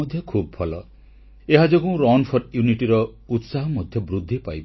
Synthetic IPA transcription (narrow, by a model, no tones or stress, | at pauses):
ɔd̪ʱjɔkʰubɔbʰʱɔlɔ | eɦad͡ʒɔkũɾɔnpʰɔɾjuniʈiɾɔ | ut̪saɦɔmɔd̪ʱjɔbɾud̪ʱːipajbɔ